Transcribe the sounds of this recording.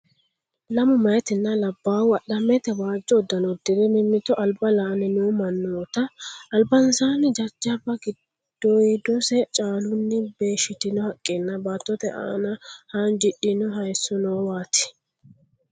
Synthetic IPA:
lɐmʊmɐjɛt̪ɪnːɐlɐbːaːwʊɐɗɐmɛt̪ɛbaːd͡ʒːɔːd̪ːɐnɔd̪ːɪd̪ɛmɪmːɪt̪ːɔʔɐlbɐlaːnɪnuːmɐnːoːt̪ɐːlbɐnsaːnɪd͡ʒɐd͡ʒːɐbːɐɡɪd̪̥ːɔjd̪ɔsɛt͡ʃʼaːlʊnːɪbe̞ːʃɪt̪ɪnɔhɐkʼːenːɐbaːt̪ːɔt̪ɛʔa̰ːnɐhand͡ʒɪɗːɪnɔɦɐjsːʊnɔːwaːt̪ɪ̥

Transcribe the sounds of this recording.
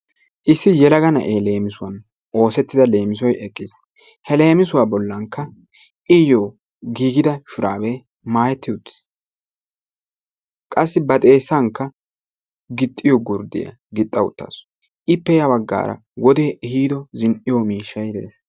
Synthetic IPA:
ʔɪsːɪjɛlɐɡɐnɐ̰ʔeːle̞ːmɪsʊwɐn | ʔo̞ːsɛt̪ːɪd̪ɐle̞ːmɪsɔjɛkʼːɪs | hɛle̞ːmɪsʊwabɔlːɐŋkːɐ | ʔɪjoː | ɡiːɡɪd̪ɐʃʊɾa̰ːbeː | maːjɛt̪ːɪʊt̪ːɪ̥s | kʼɐsːɪbɐt̪ʼeːsːɐŋkːɐ | ɡɪt̪ʼːɪjɔɡʊɾd̪ɪ̰jɐ̰ | ɡɪt̪ʼːɐwʊ̰t̪ːa̰ːs | ʔɪpːɛjɐbɐɡːa̰ːɾɐ̰ | wɔd̪eːʔɪhiːd̪ɔzɪnʔɪjɔmiːʃːɐjd̪ḛːs

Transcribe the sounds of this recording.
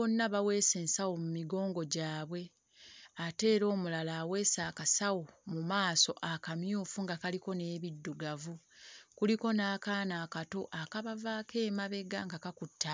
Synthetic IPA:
onːaβawe̞ːse̞ːnsawomumiɡo̞ːŋɡo̞ɟaːβwe̞ | ate̞ːɾo̞ːmulalaːwe̞ːsaːkasawo̞mumaːso̞ʔakamjuːfuŋɡakaliko̞ne̞ːβidːuɡavukuliko̞naːkaːnaːkato̞ʔakaβavaːkʰe̞ːmaβe̞ɡaŋɡakakutːa

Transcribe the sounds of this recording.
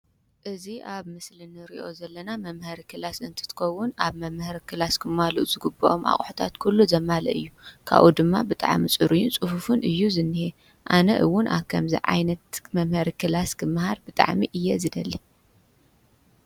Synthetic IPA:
ʔɨziʔaβmɨslɨnɨɾḭʔo̞zɐlːɐnamɐmhɐɾikʰɨlasɨnt̪ʰɨ̥t̪ʰɨ̥xɐwːʊnaβmɐmhɐɾikʰɨlaskʰɨmhaluʔz̥ɨɡɨbɐʔomʔa̰χʼħu̥t̪ʰa̰t̪kʰulːuzɐmalɐ̰ʔɨjːukʰa̰βʔud̪ɨmːa̰bɨt̪ʼa̰ʕmit͡sʼɨɾujunt͡sʼɨfufunʔɨjːuzɨnːɨhe | ʔanɐʔɨwːʊnʔa̰βkʰɐmzḭʕa̰jnɐt̪mɐmhɐɾikʰɨlaskʰɨmːɨhaɾbɨt̪ʼa̰ʕmiʔɨjːɛzɨd̪ɐlːi

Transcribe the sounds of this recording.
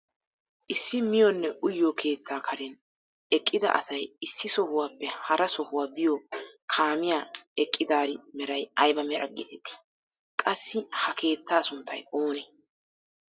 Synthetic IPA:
ʔɪsːɪmɪjɔnːɛʔʊjːokʰe̞ːt̪ʰːaːkʰɐɾɛn | ɛkʼːɪd̪ɐ̰ʔɐ̰sɐjɪsːɪsɔhʊwaːpːɛhɐɾɐsɔhʊwaːbɪjokʰaːmɪjaːɛkʼːɪd̪aːɾɪmɛɾɐjɐjbɐmɛɾʔɐ̰ɡɪ̰t̪ʰɛt̪ːɪ̥ | kʼɐsːɪhɐkʰe̞ːt̪ʰːaːsʊnt̪ʰːɐ̰jʔoːneː

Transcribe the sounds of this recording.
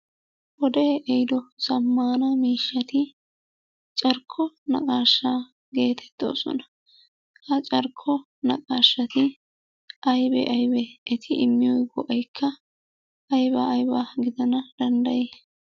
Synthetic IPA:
wɔd̪eːʔɛjɪd̪ɔsɐmːaːnɐmiːʃːɐt̪ɪ | t͡ʃʼɐɾkʰːɔnɐ̰kʼaːʃːaː | ɡe̞ːt̪ʰɛ̥t̪ːo̞̰ːsɔ̰nɐ̥ | hɐt͡ʃʼɐɾkʰːɔ | nɐ̰kʼaːʃːɐt̪ɪ | ʔɐjbɛ̰ʔɐjbɛːt̪ʰɪʔɪmːɪjɔjɡɔʔɐjkʰːɐ | ɐjbaːjbaːɡɪd̪ɐnɐd̪ɐnd̪ɐjeː

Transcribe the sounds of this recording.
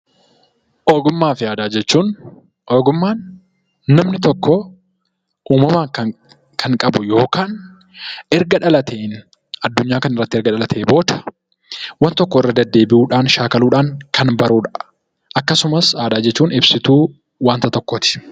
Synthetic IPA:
ʔoːɡʊmːaːfɪaːd̪aːd͡ʒɛt͡ʃːuːn | oːɡʊmːaːnː | ɐmnɪt̪ɔkːɔ | uːmɐmaːŋkɐ | kʰɐŋkʼɐbʊjo̞ːkaːn | ɛɾɡɐᶑɐlɐt̪ʰeːn | ɐd̪ːʊɲːaːkɐnɪrːɐt̪ːɪɛɾɡɐᶑɐlɐt̪ʰeːbo̞ːt̪ɐ̥ | wɐnt̪ɔkːɔɪrːɐd̪ɐd̪ːe̞ːbɪʔuːᶑaːnʃaːkɐluːᶑaːŋkʰɐnbɐɾuːᶑɐ̥ʔ | ʔɐkːɐsʊmɐsaːd̪aːd͡ʒɛt͡ʃːuːnɪbsɪt̪uː | waːnt̪ɐt̪ɔkːoːt̪ɪ̥

